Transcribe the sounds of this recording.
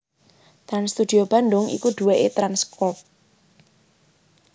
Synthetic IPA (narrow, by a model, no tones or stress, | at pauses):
t̪ɾanst̪ud̪̥i̤ob̥a̤nɖʊŋḭkud̪̥uweʔet̪ɾanskɔp̚